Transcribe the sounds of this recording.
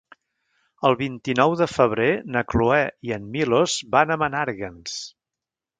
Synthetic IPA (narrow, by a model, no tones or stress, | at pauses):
əlˠβint̪inɔwðəfəβ̞ɾenəkluɛiənmilozbanəmənaɾɣəns